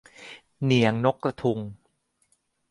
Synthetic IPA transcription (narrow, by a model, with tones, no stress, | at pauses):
ni˨˩˦əŋno˦˥kɾa˧t̪ʰu˧ŋ